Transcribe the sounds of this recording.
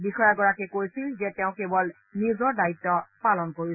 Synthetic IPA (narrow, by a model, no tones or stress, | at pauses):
bixɔjaɡɔɹakɛkojsilzɛteʊ̃kebɔl | nizɔɹdaitːɔpalɔnkoɹisɛ